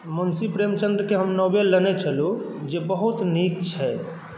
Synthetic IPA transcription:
mənsipɾeːmt͡ʃə̃nd̪ɾəkeɦəmnoːbelːənet͡ʃʰəlod͡ʒebəɦʊt̪nik̚t͡ʃʰɛ

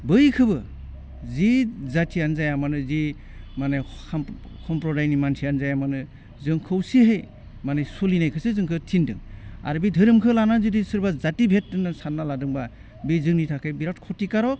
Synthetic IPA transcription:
bɯjkʰɯbɯ | zizatʰianzajamanɯzi | mane | kʰɔmpɾɔdajnimansʰianzajamanɯ | zɯŋkʰɯwsiɦej | manejsolinajkʰɯsɯzɯŋkʰɯtʰindɯ̰ŋa̰ɾbidʱɯɾɯmkʰɯlanazɯdisɯɾbazatibʱet̚dɯnasanːaladɯŋba | bizɯŋnitʰakʰajbiɾatkʰɔtikaɾɔ

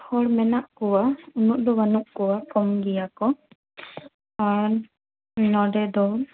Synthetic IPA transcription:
hɔɽmɛnaʔkɔwaunuʔd̪ɔwanuʔkɔwakɔmɡijakɔ | aɾ | nɔɖɛd̪ɔ

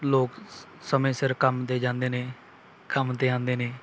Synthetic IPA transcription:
loːk | səmẽːsɪɾkəmt̪eːd͡ʒãːnd̪eːneː | kəmt̪eːãːnd̪eːneː

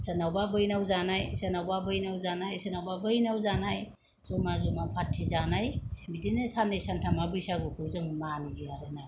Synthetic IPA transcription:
senawbabɯjnawzanajsenawbabɯjnawzanajsenawbabɯjnawzanaj | z̥ɔmazɔmapʰatʰːizanajmidinesanejsantʰamabɯjsaɡɯkʰɯzɯmmaniziaɾenaj

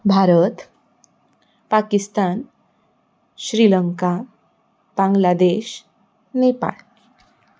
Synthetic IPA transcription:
bʱaɾət̪ | pakist̪an | ɕɾiləŋka | b̥ãŋɡlad̪eɕ | nepa̰ɭ

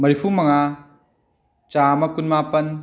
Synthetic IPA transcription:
mɐɾipʰumɐŋa | t͡ʃaːmɐkunmapɐn

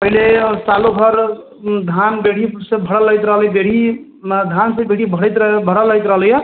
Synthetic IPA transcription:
pəɦilesaloɡʱʌɾ | d̪ʱanbeɽ̤isẽbʱəɽəlːəjt̪ɾəɦəljbeɽ̤i | d̪ʱansə̃beɽ̤ibʱəɽəjt̪ɾbʱəɽəlːəjt̪ɾəɦəljə

